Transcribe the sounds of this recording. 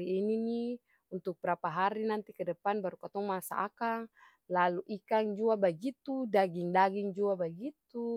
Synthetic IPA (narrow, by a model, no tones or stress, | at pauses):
iːnini | unt̪uk̚b̥əɾapaɦaɾinant̪ikɛdəpanbaɾukat̪ɔŋmasa̰ʔa̰kaŋ | laluʔikaŋd͡ʒuabaɡit̪udaɡiŋdaɡiŋd͡ʒuabaɡit̪u